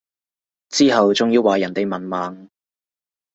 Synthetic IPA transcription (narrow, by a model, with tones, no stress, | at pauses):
t͡siː˥ɦɐ˨wt͡sʊ˨ŋjiː˧wːaː˨jɐ˨˩nt̪e˨jmɐ˨˩nmaː˨ŋ